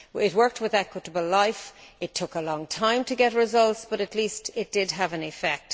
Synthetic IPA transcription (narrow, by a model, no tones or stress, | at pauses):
ɪt̚wɜ˞k̚t̚ʰwɪðakʰwəɾəbəl̩laɪfɪtʰʊkəlɔ̃ŋtʰãɪ̃mtʰɨɡɛtɹɪzʌlˠtsb̥ʌɾɨtˡlistɪt̚d̥ɪd̚əvɨ̃nɪfɛk̚t